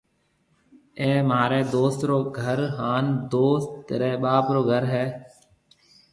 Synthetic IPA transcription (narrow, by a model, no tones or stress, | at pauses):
eːmaːɾeːd̪oːst̪ɾoːɡʱəɾɦaːnd̪oːst̪ɾeːɓaːpɾoːɡʱəɾɦɛː